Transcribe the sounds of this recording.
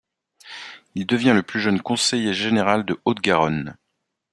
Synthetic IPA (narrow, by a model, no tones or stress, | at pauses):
ild̪əvjɛ̃ləplyʒənkɔ̃sejeʒeneʁald̪əot̪ɡaʁɔn